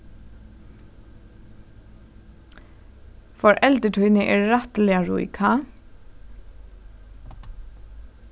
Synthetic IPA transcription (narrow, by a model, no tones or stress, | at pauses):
fɔɹʔɛld̪əʈʰœʏnəʔeːɹɹɑt̪əlɪɑɹṵːɪ̰kʰɑ